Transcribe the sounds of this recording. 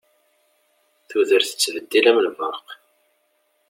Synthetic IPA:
θuðəɾθə̥t͡sːvəd̪ːilæməlvɑq

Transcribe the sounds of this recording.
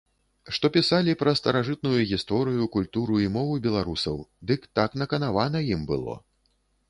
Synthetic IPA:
ʂt̪ɔpʲisalʲipɾɐst̪ɐɾaʐɨt̪̚nujuɣʲist̪ɔɾɨjukulʲt̪uɾuimɔvɨbʲɛlˠaɾusɐwd̪ɨkt̪aknɐkɐnavanɐjimbɨ̰lˠɔ̰

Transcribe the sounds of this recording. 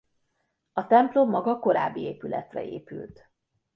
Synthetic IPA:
ɒt̪ɛmplomːɒɡɒko̞ɾaːbːieːpylɛ̰t̪rɛ̰eːpylt̪

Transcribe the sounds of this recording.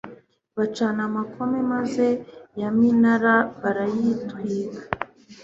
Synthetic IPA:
βat͡ʃanamakʰo̞me̞maze̞jaminaɾaβaɾajitwiːkḁ

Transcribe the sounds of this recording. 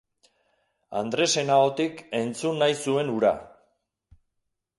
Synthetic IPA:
a̰nd̪ɾe̞se̞naot̪ike̞nt͡sunːajsue̞nuɾa̰

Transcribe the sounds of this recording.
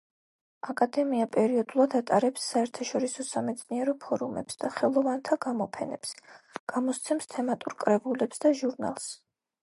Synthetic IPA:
akʼad̪ɛmiapʼɛɾiɔd̪ulˠad̪at̪ʼaɾɛpsːaɛɾt̪ʰaʃɔɾisɔsamɛt̪sʰʼniɛɾɔpʰɔɾumɛ̰psd̪̥aχɛlˠɔvant̪ʰaɡamɔpʰɛnɛ̰psɡ̥amɔst̪sʰɛmst̪ʰɛmat̪ʼuɾkʼɾɛbulɛpsd̪aʒuɾna̰lˠs

